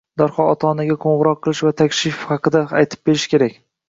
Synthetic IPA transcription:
d̪ɒɾχɒɒt̪ʰɒnaɡʲaqʰoɴʁɨɾɒqʰːɨlˠɪʃvat̪ʰakʲʃɪfhɑqɨd̪aajt̪ʰɪ̥p̚beɾɪʃkʲe̞ɾakʲ

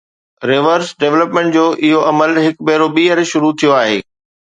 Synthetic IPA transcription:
ɾeːʋəɾsɖeːʋləpmẽːɳʈd͡ʑoːʔɪɦoʔɐməlɦɪkbɛɦɾobiːəɾʃʊɾut̪ʰijoaːɦeː

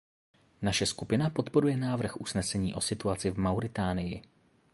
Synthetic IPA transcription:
naʃɛskupɪnapo̞t̪po̞ɾujɛnaːvr̩xʔusnɛsɛɲiːʔo̞sɪt̪uat͡sɪvmawɾɪt̪aːnɪjɪ

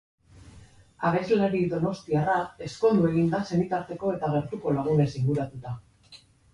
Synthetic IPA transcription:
aɣe̞zlaɾiðo̞no̞st̪iarae̞sko̞nd̪ue̞ɣ̞ind̪ase̞nit̪aɾt̪e̞ko̞e̞t̪aɣ̞e̞ɾt̪uko̞laɣ̞une̞siŋɡuɾat̪ut̪a

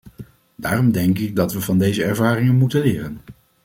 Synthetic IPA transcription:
daːrɔmdɛŋkɪɡ̚dɑtʋəvɑndejzəɛɹvaːrɪŋənmutəlɪːrən

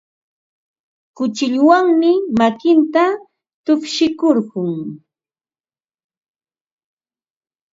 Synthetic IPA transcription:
kʊt͡ʃɪʎwaŋmɪmakɪnt̪a | t̪ʊpʃɪkoɾɢʊŋ

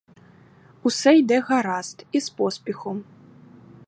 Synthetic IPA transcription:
usɛjd̪ɛɣaɾast̪ispɔsʲpʲɛxu

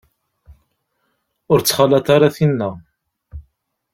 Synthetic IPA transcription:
ʊɾt͡sːχalat̪aɾaθinːæ

